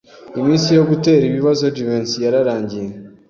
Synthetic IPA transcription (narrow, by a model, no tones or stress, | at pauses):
imiːnsijo̞ɡute̞ːɾiβiβazo̞divensjaɾaɾaːɲɟije